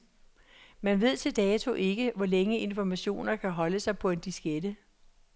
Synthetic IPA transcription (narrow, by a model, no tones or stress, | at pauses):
mænʋe̝ð̞̰ˠt͡sʰe̝ld̥ɛːt͡sʰo̝ʔe̝ɡ̥əʋɒleŋəe̝nfɒmæɕo̝̰ːnɐkʰæɦɒ̽ləsɑ̈ɪpʰɒ̽e̝nd̥isɡ̥ed̥ə